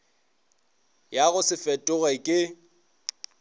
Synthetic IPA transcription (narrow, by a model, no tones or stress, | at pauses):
jaɣʊsɪfɛtʼʊɣɛkʼɪ